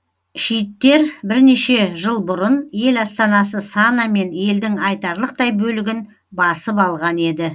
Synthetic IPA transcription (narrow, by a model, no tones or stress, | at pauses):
ʃijt̪ːe̞ɾbɪɾne̞ʃe̞ʒəlˠbʊɾənje̞lɑst̪ɑnɑs̬əsɑnɑme̞ne̞ld̪ɪŋɑjt̪ɑɾlˠəq̚t̪ɑjbɵlɪɡʲɪn | bɑsəpɑlˠʁɑne̞d̪ɪ